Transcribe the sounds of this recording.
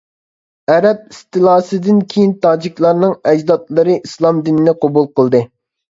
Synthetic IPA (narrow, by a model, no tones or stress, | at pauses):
ɛɾɛp̚ist̪ʰɨlˠɑːsɨd̪ɪnkʲʰejint̪ʰɑːd͡ʒikʲlˠɑɾnɨŋɛd͡ʒd̪ɑt̪lˠɨɾɨʔislˠɑmd̪inɪnɛqʰobulˠqəlˠd̪ɨ